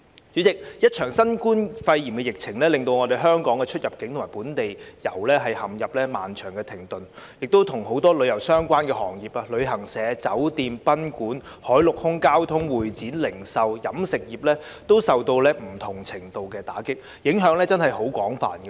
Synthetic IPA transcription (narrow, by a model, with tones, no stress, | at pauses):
t͡sy˨˥t͡sɪ˨k̚jɐ˥t̚t͡ʃʰœː˨˩ŋsɐ˥nkuː˥nfɐ˧jji˨˩mkɛ˧jɪ˨k̚t͡sʰɪ˨˩ŋlɛː˥lɪ˨ŋt̪o˧wŋɔː˨˧d̪e˨˩jɦœː˥ŋkɔː˨˥ŋkɛ˧t͡ʃʰɵ˥t̚jɐ˨p̚kɪ˨˥ŋt̪ʰmaː˨˩puː˨˥nt̪e˨jjɐ˨˩wlɛː˥ɦɐ˨jhɐ˨˩mjɐ˨p̚lɛː˥ma̰ː˨nt͡ʃʰœ̰ː˨˩ŋkɛ˧t̪ʰɪ˨˩ŋt̪ɵ˨˩njɪ˨k̚t̪o˥wt̪ʰʊ˨˩ŋho˨˥wt̪ɔː˥lɵ˨˧ɥjɐ˨˩wsœː˥ŋkʷaː˥nkɛː˧hɔː˨˩ŋjiː˨p̚aː˧lɵ˨˧ɥɦɐ˨˩ŋsɛː˨˧˦t͡sɐ˨˥wt̪iː˨˧mpɐ˥nkuː˨˥n | hɔː˨˥jlʊ˨k̚hʊ˥ŋkaː˥wt̪ʰʊ˥ŋwuː˨˩jt͡siː˨˥nlɪ˨˩ŋsɐ˨wjɐ˨˥msɪ˨k̚jiː˨˩p̚lɛː˥t̪o˥wsɐ˨wt̪o˧wlɛː˥m̩˨˩t̪ʰʊ˨˩ŋt͡sʰɪ˨˩ŋt̪o˨wkɛː˧t̪a̰ː˨˥kɪ˥k̚ | jɪ˨˥ŋɦœː˨˥ŋlɛː˥t͡sɐ˥nhɐ˨jho˨˥wkʷɔː˨˥ŋfa̰ː˨nɡɛ˧